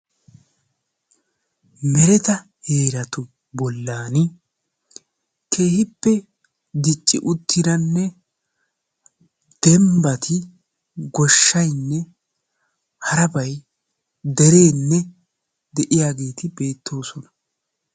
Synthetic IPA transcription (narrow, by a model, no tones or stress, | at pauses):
mɛɾɛt̪ɐ | heːɾɐt̪ʊ | bɔlːaːnɪ | kʰe̞ːhɪpːɛ | d̪ɪt͡ʃʼːɪʔʊt̪ʰːɪɾɐnːɛ | d̪̥ɛmbɐt̪ʰɪ | ɡɔʃːɐjnːɛ | hɐɾɐbɐj | d̪ɛɾe̞ːnːɛ | d̪ɛʔɪjaːɡe̞ːt̪ɪbe̞ːt̪ːo̞ːsɔnɐ̥